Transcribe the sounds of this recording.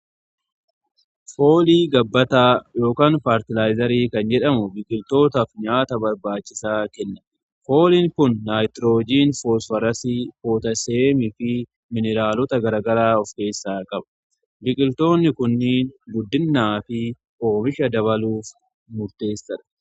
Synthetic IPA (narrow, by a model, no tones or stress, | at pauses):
fo̞ːliːɡɐbːɐt̪aːjo̞ːkaːnpaːɾt̪ɪlaːjzɐɾiːkɐnd͡ʒɛᶑɐmʊbɪkʼɪlt̪o̞ːt̪ɐfɲaːt̪ɐbɐɾbaːt͡ʃːɪsaːkɛnːɐ̥ | fo̞ːliːŋkʊnːaːjt̪ɾoːd͡ʒiːnfoːsfɐɾɐsifo̞ːt̪ɐseːmɪfɪ | mɪnɛɾaːlɔt̪ɐɡɐɾɐɡɐɾaːɔfke̞ːsːaːkʼɐbɐ̥ | bɪkʼɪlt̪o̞ːnːɪkʊnːiːnɡʊd̪ːɪnːaːfɪ | ʔo̞ːmɪʃɐd̪ɐβɐluːf | mʊɾt̪e̞ːsːɐᶑɐ̥